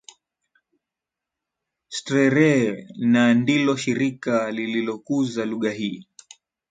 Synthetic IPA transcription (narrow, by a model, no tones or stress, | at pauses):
stɾɛɾɛnandilɔʃiɾikalililɔkuzaluɠaɦiː